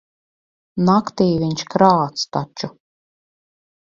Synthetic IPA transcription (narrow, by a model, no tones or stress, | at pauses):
nakt̪ijviɲʲʃkɾaːt̪st̪at͡ʃu